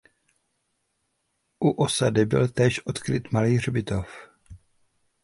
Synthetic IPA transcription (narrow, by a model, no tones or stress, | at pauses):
ʔuʔosadɪbɪ̰lt̪ɛːʃʔo̞t̪kɾɪt̪maliːr̝bɪt̪o̞f